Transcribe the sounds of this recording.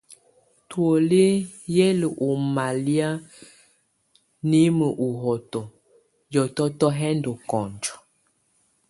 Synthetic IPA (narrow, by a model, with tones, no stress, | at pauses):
two˨le˦jɛ˦lə˨ʔo˨ma˨li˦a˦ | ni˦mə˨ʔu˨ɦɔ˨tɔ˨ | jɔ˨tɔ˦tɔ˦ɦɛ˦ndɔ˨kɔ˨nd͡ʒɔ˨